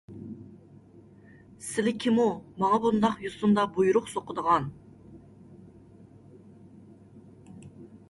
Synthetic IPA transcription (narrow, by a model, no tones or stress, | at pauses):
sɪlɪkʲʰɪmumɑŋɑbund̪ɑqjust̪und̪ɑbujuɾʊqsoqʰəd̪əʁɑn